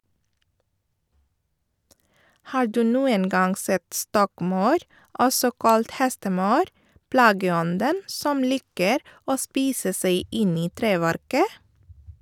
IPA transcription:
ˈhɑːɾ ˈdʉː ˈnuːən ˈɡɑŋ ˈsɛt ˈstɔkˌmɑʉɾ ˈɔsɔ ˈkɑlt ˈhɛstəˌmɑʉɾ ˈplɑːɡəˌɔndən ˈsɔm ˈliːkəɾ ˈoː ˈspiːsə ˈsæɪ ˈɪn ˈiː ˈtɾeːˌʋæɾkə

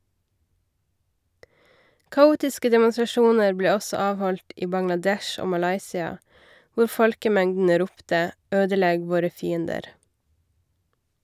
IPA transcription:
kɑˈuːtɪskə dɛmʊnsɾɑˈʃuːnəɾ ˈbleː ˈɔsɔ ˈɑːʋˌhɔlt ˈiː bɑŋlɑˈdɛʃ ˈoː mɑˈlɑɪsɪɑ ˈʋʊɾ ˈfɔlkəˌmɛŋdn̩ə ˈɾuːptə ˈøːdəˌlɛɡ ˈʋoːɾə ˈfiːəndəɾ

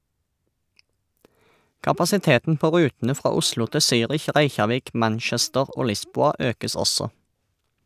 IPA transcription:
kɑpɑsɪˈteːtn̩ ˈpoː ˈʁʉːtn̩ə ˈfʁɑː ˈʊslʊ ˈtɪ ˈsyːʁɪç ˈʁæɪçɑˌʋiːk ˈmænˌʃɛstəʁ ˈoː ˈlɪˌsbuːɑ ˈøːkəs ˈɔsɔ

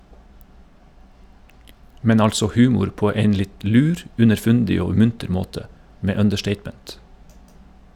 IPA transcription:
ˈmɛn ˈɑlsɔ ˈhʉːmʊɾ ˈpoː ˈeɪn ˈlɪt ˈlʉːɾ ʉnəɾˈfʉndɪ ˈoː ˈmʉntəɾ ˈmoːtə ˈmeː œndəˈʃʈeɪtmɛnt

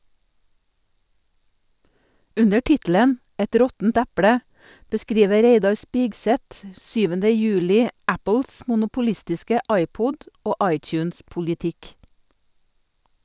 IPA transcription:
ˈʉnə ˈʈɪtl̩ən ˈɛt ˈɾɔtn̩t ˈæpɽə bəˈskɾiːʋə ˈɾeɪdɑɾ ˈspiːɡˌsɛt ə ˈsyːʋəndə ˈjʉːlɪ ˈæpəls mʊnʊpʊˈlɪstɪskə ˈɑɪˌpʊd ˈoː ˈʔɑɪˌtjʉːnspʊldɪˌtɪk

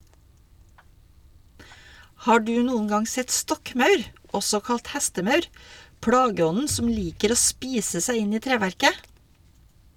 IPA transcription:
ˈhɑː ˈɖʉː ˈnuːən ˈɡɑŋ ˈsɛt ˈstɔkˌmɑʉɾ ˈɔsɔ ˈkɑlt ˈhæstəˌmɑʉɾ ˈpɽɑːɡəˌɔnən ˈsɔm ˈliːkəɾ ˈoː ˈspiːsə ˈsæɪ ˈɪn ˈiː ˈtɾeːʋæɾkə

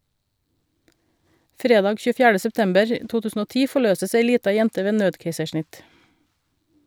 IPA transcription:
ˈfɾeːdɑːɡ çʉːˈfjæːɖə sɛpˈtɛmbəɹ ə ˈtuː ˈtʉːsn̩ ˈoː ˈtiː fɔˈɭøːsəs ˈeɪ ˈliːtɑ ˈjɛntə ˈʋeː ˈnøːdkeɪsəˌʃɳɪt

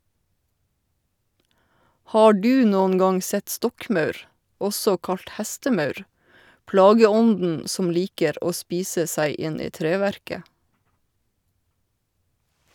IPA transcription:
ˈhɑː ˈɖʉː ˈnoːnŋ ˈɡɑŋ ˈsɛt ˈstɔkˌmɑʉɾ ˈɔsɔ ˈkɑʎt ˈhɛstəˌmɑʉɾ ˈplɑːɡəˌɔndn̩ ˈsɔm ˈliːkəɾ ˈʔoː ˈspiːsə ˈsæɪ ˈʔɪnɪ ˈtɾeːʋæɾkə

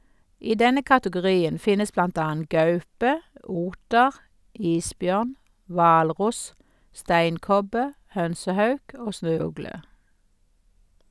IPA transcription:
ˈiː ˈdɛnə kɑtəɡʊˈʁiːən ˈfɪnəs ˈblɑnt ˈɑːən ˈɡɑʉpə ˈuːtəʁ ˈiːsˌbjœʁn ˈʋɑːlˌʁʊs ˈstæɪnˌkɔbə ˈhœnsəˌhɑʉk ˈoː ˈsnøːˌʉɡlə

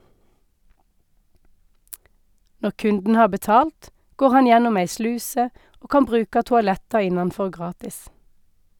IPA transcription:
ˈnɔʁ ˈkʉndn̩ ˈhɑːʁ bəˈtɑːlt ˈɡoːʁ ˈhɑn ˈjɛnʊm ˈæɪ ˈslʉːsə ˈoː ˈkɑm ˈbʁʉːkɑ tʊɑˈlɛtɑ ˈɪnɑnˌfɔʁ ˈɡʁɑːtɪs

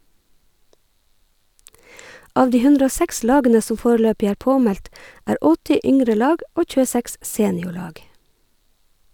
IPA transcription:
ˈʔɑːʋ ˈdiː ˈhʉndɾə ˈoː ˈsæks ˈlɑːɡənə ˈsɔm ˈfoːɾəˌløːpɪ ˈæːɹ ˈpoːˌmɛlt ˈʔæːɹ ˈɔtɪ ˈʏŋɾə ˈlɑːɡ ˈʔoː ˌc͡çʉːəˈsæks ˈseːnɪʊˌɭɑːɡ

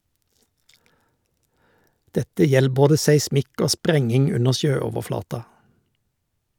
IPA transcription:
ˈdɛtə ˈjɛl ˈboːdə sæɪˈsmɪk ˈoː ˈspɾɛŋɪŋ ˈʉnə ˈʃøːɔʋəˌflɑːtɑ

